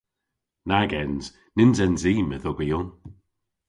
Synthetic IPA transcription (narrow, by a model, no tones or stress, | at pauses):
naɡɛnz̥ | nɪnzɛnziːməðɔɡəjɔn